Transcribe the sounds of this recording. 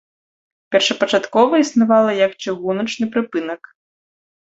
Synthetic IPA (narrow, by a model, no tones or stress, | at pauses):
pʲɛrʂɐpɐt͡ʂat̪kɔvɐisnavalˠɐjɐkt͡ʂɨɣunɐt͡ʂnɨpɾɨpɨnɐk